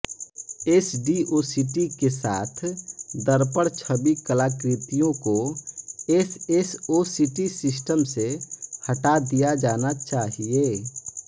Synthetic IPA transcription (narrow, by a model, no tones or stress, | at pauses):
eːsɖiʔoːsiʈikesa̰ːt̪ʰd̪əɾpəɽt͡ʃʰəbikəlaːkɾɪt̪ijõko | esesosiʈisɪsʈəmsehəʈad̪ijad͡ʒaːnat͡ʃaːɦie